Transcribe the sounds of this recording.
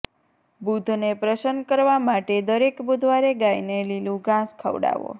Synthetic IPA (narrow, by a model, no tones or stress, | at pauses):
bud̪ʱnepɾəʃənkəɾʋamaʈed̪əɾekbud̪ʱʋaɾeɡajnelilũɡãskʰə̰ʋɽa̰ʋo̰